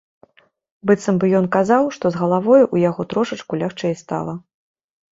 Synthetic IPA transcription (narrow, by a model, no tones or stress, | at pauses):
bɨt̪sɐmbɨjɔnkazawʂt̪ɔzɣɐlˠavɔjuʔujaɣɔt̪ɾɔʂɐt͡ʂkulʲaxt͡ʂɛjst̪a̰lˠɐ